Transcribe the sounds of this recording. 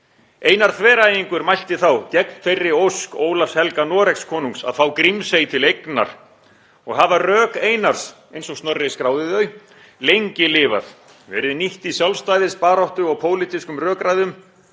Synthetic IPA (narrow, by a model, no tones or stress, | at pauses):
eːjnaɾ̥θʰvɛːɾaːjiŋkʏɾmajl̥t̪ɪθawcɛk̚nferːɪowskoːwlafshɛlkanɔːɾɛkskʰɔːnuŋksa̰ðθawkɾimsejt̪ʰɪlejkna̰ɾ̥ | ɔɣɦavarœːkeːjnaɾ̥s | ejnsɔɣstnœrːɪskɾaːwðɪðœɥ | lejɲcɪlɪːva̰ð | vɛ̰ɾðɪniht̪isjalvst̪ajðɪspaːɾawht̪ʏɔɣpʰoːwlɪt̪iskʏmrœːkɾajðʏm